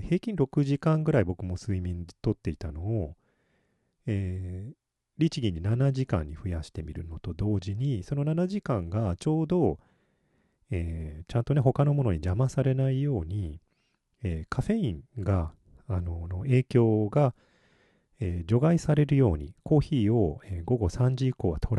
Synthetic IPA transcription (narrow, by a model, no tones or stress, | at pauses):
he̞ːkʲĩnɾo̞kɯ̟ʑikãŋɡɯ̟ɾaibo̞kɯ̟mo̞sɨimʲĩnt̪o̞t̪ːe̞it̪ano̞ː | eː | ɾʲit͡ɕiɡʲiɲ̟ːinanaʑikã̰ɲ̟ːiɸɯ̟jaɕi̥t̪e̞mʲiɾɯ̟̰no̞t̪o̞d̪o̞ːʑiɲ̟iso̞no̞nanaʑikãŋɡat͡ɕo̞ːd̪o̞ | eːt͡ɕãnt̪o̞ne̞ɦo̞kano̞mo̞no̞ɲid͡ʑamasaɾe̞naijo̞ːɲ̟i | eːkʰaɸe̞ĩŋɡaː | no̞noe̞ːkʲo̞ːɡa | eːd͡ʑo̞ɡaisaɾe̞ɾɯ̟jo̞ːɲ̟ḭko̞ːçiːo̞eːɡo̞ɡo̞sãɲ̟d͡ʑiiko̞ːβat̪ʰo̞ɾ